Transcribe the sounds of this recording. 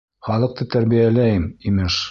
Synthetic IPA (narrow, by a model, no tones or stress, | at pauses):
χɑlˠɤ̆q̚t̪ɤt̪æɾβijælæjɘmimɘʃ